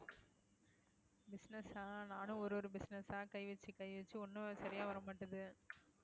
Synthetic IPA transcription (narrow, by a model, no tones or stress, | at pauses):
bɪsnɐsaːnaːnɯ̃ɔɾɯɔɾɯbɪsnɐsaːkɐɪʋɐt͡ʃːɯkɐɪʋɐt͡ʃːɯɔnːɯsɐɾɪjaːʋɐɾɐmaːʈːɐðɯ